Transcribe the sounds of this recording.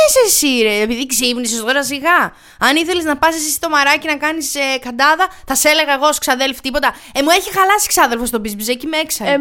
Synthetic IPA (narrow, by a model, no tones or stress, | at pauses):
esesiɾeepiðikzipnisest̪o̞ɾɐsiɣɐ | ɐniθe̞leznɐpɐsisisi̥t̪o̞mɐɾɐcinɐkɐnisekɐd̪ɐðɐθɐse̞le̞ɣɐeɣoosksɐðelfi̥t̪ipo̞t̪ɐ | emue̞çixɐlɐsi̥ksɐðe̞lfost̪o̞bizbizecimeksɐ